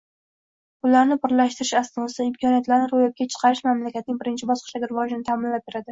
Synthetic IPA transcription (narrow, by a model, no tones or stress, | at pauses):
ʊlaɾnɪpɪɾlaʃt̪ɪɾɪʃasnɒsɪmkʰɒnijat̪laɾnɪɾojɒp̚kʲat͡ʃʰɨ̥qʰɑɾɪʃmamlakʲat̪nɪŋʲbɪɾɪnt͡ʃʰɪbɒsqʰɨ̥ʃd̪aɡʲɪɾɪvɒd͡ʒɪnɪt̪ʰamɪnlap̚beɾad̪ɪ